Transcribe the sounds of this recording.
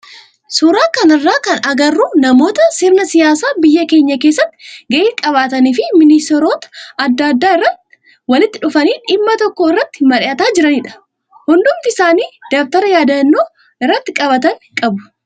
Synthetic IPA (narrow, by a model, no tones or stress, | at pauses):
suːɾaːkɐnɪrːaːkɐnɐɡɐrːuːnɐmo̞ːt̪ɐsɪɾnɐsɪjaːsaːbɪjːɐke̞ːɲːɐkeːs̬ːɐt̪ːɪ̥ɡɐʔiːkʼɐβaːt̪ɐniːfɪmɪnɪst̪ɛɾo̞ːt̪ɐ̥ɐd̪ːɐd̪ːaːɪrːɐt̪ | wɐlɪt̪ːɪᶑʊfɐniːᶑɪmːɐt̪ɔkːoːɪrːɐt̪ːɪ̥mɐᶑɪɐt̪aːd͡ʒɪɾɐniᶑɐ̥ | hʊnd̪ʊmt̪ɪɪ̥saːniːd̪ɐft̪ɐɾɐjaːd̪ɐnːoː | ɪrːɐt̪ːɪkʼɐβɐt̪ɐŋkʼɐbʊ̥